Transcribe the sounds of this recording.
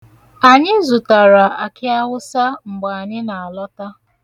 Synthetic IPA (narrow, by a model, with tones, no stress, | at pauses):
a˨ɲɪ˦zʊ˨ta˨ɾa˨a˨kɪ˦a˦ɣʊ˦sa˦ŋ͡m̩˨ɡ͡ba˨a˨ɲɪ˦na˨a˨lɔ˦ta˦